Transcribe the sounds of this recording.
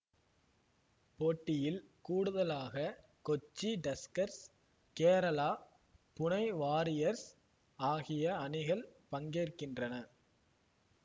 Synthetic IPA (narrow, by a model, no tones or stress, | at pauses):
poːʈːɪjɪlkuːɽɯðɐlaːɣɐ | kɔt͡ʃːiɖɛskɐɾs | keːɾɐlaː | pʊɳɐɪʋaːɾɪjɐɾs | aːɣɪjɐɐnɪɣɐɭpɐŋɡeːrkɪndrɐnɐ